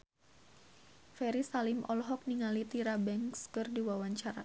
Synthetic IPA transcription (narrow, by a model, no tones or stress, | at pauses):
fɛɾisalimɔ̰lɦɔk̚niŋalit̪iɾabɛŋskɨrdiwawaɲt͡ʃaɾa